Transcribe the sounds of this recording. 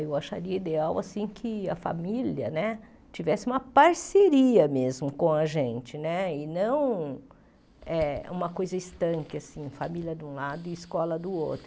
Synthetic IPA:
ewaʃa̰ɾiɐid̪eawasĩkʰɪɐfa̰miliɐnɛ | t͡ʃivɛsɪũmɐpaɾseɾiɐmezmʊkõɐʒẽnt͡ʃɪnɛɪnɐ̃w̃ | ɛũmɐkojzɐist̪ɐ̃ŋkɪasĩfamiljɐd̪ũlad̪ʊɪskɔlɐd̪ʊo̰wt̪ɾʊ

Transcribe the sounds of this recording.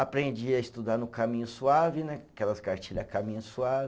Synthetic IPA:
apɾẽd͡ʒiɐɪst̪ud̪aɾnʊkamĩɲʊsuavɪnɛakɛlɐskaɾt͡ʃiʎɐkamĩɲɐsuavɪ

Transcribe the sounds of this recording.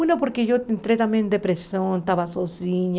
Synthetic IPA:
unapoɾkeʝoent̪ɾet̪amjend̪epɾesjont̪aβasosiɲ

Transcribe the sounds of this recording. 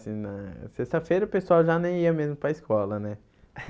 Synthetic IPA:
sĩnɐsest̪ɐfejɾɐpesuawʒanẽj̃iɐmezmʊpɾɐɪskɔlɐnɛ

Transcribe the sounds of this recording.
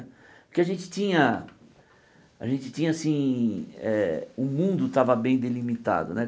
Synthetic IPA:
pʊ̥keaʒẽnt͡ʃɪ̥t̪ĩɲɐ | a̰ʒẽnt͡ʃɪ̥t͡ʃ̪ĩɲɐasĩ | ɛʊmũnd̪ʊt̪avɐbẽj̃d̪elimit̪a̰d̪ʊ̰nɛ

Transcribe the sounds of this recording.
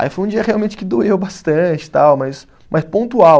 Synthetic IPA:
a̰ifojũd͡ʒiɐhealwmẽt͡ʃɪ̥kɪd̪oewbast̪ɐ̃t͡ʃɪ̥t̪awmɐs | mʔɐspõnt̪uaw

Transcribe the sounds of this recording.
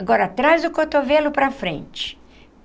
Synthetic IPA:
ɡɔɾɐt̪ɾazʊkot̪ovelʊpɾɐfɾḛ̃nt͡ʃɪ̥

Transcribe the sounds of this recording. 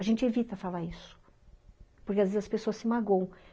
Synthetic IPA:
aʒẽnt͡ʃɪevit̪ɐfalaɾisʊ̥ | poɾkeazvezɐspesoɐsːɪmaɡõw̃

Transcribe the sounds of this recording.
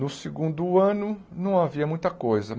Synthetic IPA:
nʊsɪɡũd̪ʊɐ̃nʊ | nɐ̃w̃aviɐmũj̃t̪ɐkojzɐ

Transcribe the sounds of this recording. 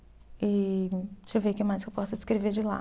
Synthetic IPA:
ɪ | t͡ʃɪvejkẽmajskewpɔsʊd͡ʒɪ̥skɾeveɾd͡ʒɪla̰

